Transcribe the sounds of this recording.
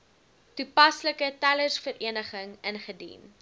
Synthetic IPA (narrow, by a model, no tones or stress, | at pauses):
tupɐsləkətælərsfəɾiənəχəŋənχədḭn